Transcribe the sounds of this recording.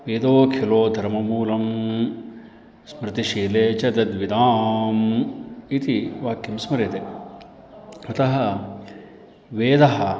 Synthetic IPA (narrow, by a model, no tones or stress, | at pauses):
ʋeːd̪oːkʰiloːd̪ʱɐɾmɐmuːlɐm | smɾɨt̪iʃiːleːt͡ʃɐd̪ɐd̪ʋid̪aːm | it̪iʋaːkjimsmɐɾet̪e | ɐt̪ɐɦɐ | ʋeːd̪ɐɦɐ